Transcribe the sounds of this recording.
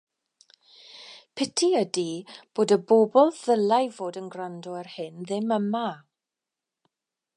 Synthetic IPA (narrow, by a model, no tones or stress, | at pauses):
pʰɛtʰiədib̥oːdəbobɔlˠð̥əlˠajvoːdənɡrandɔɛrhɪnðɪməma